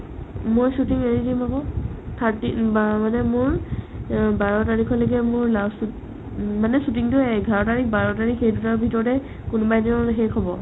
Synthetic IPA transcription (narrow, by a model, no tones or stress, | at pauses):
mojsutiŋenidimakɔ̃tʰaɹtimanɛmʊɹ | baɹɔtaɹikʰɔlɔk̬ɛmʊɹlasu | manɛsutiŋtʊɛɡʱaɹɔtaɹik̚ʰbaɹɔtaɹikʰejdutaɹbʱitɔɹɔtɛ | kunbajdiɦɛkʰɔbɔ